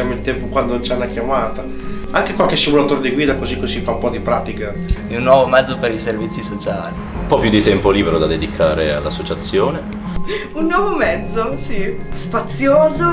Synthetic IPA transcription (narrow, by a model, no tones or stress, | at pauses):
amoilt̪ɛmpokwand̪ot͡ʃanːakjamaːt̪a | aŋkekwalkesimulat̪oːɾed̪iɡwiːd̪akozikːozifaumpɔd̪ipɾaːt̪ika | ɛunːwɔːvomɛd̪zːopeɾiservit̪sːisot͡ʃaːli | umpɔpːjud̪ːit̪ɛmpoliːbeɾod̪ad̪ed̪ikʰaːɾea̰lːasːot͡ʃat̪sːjoːne | unːwɔːvomɛd̪zːosispat̪sjoːzo